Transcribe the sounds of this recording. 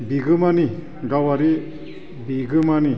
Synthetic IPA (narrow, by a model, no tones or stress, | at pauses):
biɡɯmani | ɡawaɾi | biɡɯmani